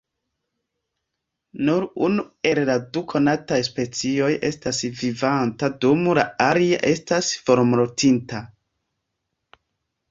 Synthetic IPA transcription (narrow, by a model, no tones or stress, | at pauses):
nuɾunue̞lladukʰo̞natajspe̞t͡sio̞jʔe̞stasvivantadomulaaliaʔe̞stasfo̞ɾmɾotinta